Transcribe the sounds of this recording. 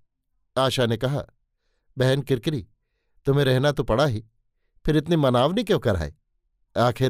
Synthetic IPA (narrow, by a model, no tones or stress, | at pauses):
aːʃanekɐɦa̰ː | bɛɦɛnkɪɾkɾiː | t̪ʊm̤ẽɾɛɦnat̪upɐɽaɦi | pʰɪɾɪt̪̬nimɐnaːʋnikjõːkɐɾa̰ːḛ | aːkʰɪ